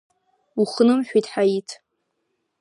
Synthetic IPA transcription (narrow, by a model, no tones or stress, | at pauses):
uχnɨmħᶣʷitʼħajitʰ